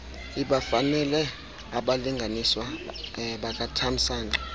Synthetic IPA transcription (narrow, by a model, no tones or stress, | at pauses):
iɓafanɛlɛ | aɓaliŋɡʱaniswa | ɓak̬ʼatʰam̩saːnda